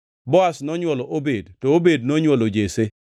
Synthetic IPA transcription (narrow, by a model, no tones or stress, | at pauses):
bɔasnɔɲwɔlɔʔobedtɔobed̚noɲwɔlod͡ʒese